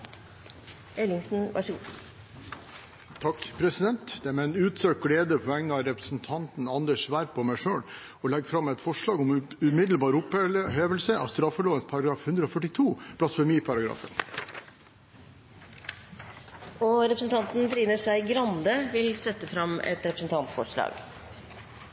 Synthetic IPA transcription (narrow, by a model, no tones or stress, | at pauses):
ɛlɪŋsn̩ʋʔɑ̰ʂəɡu | t̪ʰɑkːpʰɾɛsɪd̪ɛnt̪d̪̥ɛæɾmɛɛnʉːt̪søːk̚ɡɽeːd̪əpʰɔæŋnəɑɾɛpɾəsn̩t̪ʰɑnt̪n̩ɑnd̪əʂʋæːɾpʰɔmæɪʂøːɽ | ɔlɛɡfɾɑmɛɪt̪fɔʂɭɑːɡɔmʉmɪd̪l̩bɑːɾʊpɦeːʋəlsəʔɑ̰st̪ɾɑfɔɭoːʋənspʰɑɾɑɡɾɑːfhʉnd̪ɾəɔfœʈɪt̪ʰuːpʰɽɑsfɔɾmiːpʰɑɾɑɡɾɑ̰ːfə̰n | ɔɾɛpɾəsn̩t̪ʰɑnt̪n̩d̪ɾiːnəʂæɪɡɾɑnd̪əʋɪlsɛt̪ːəfɾɑmɛ̰t̪ɾɛpɾəsn̩t̪ɑnt̪fɔʂɭɑ̰ːɡ